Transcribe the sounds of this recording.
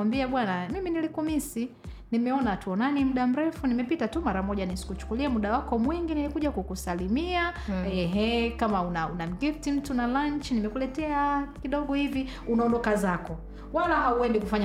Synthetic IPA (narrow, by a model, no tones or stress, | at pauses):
ambiaɓwanamiminilikumisi | nimɛɔnatuɔnanim̩ɗam̩ɾɛfunimɛpitatumaɾamɔʄanisi̥kut͡ʃu̥kuliamuɗawakɔmwiŋɡinilikuʄakukusalimiaɛɦɛkamaunaunam̩ɡiftim̩tunalaɲt͡ʃinimɛkulɛtɛakiɗɔɠɔhivi | unaɔndɔkazakɔ | walahauwɛndbikufaɲa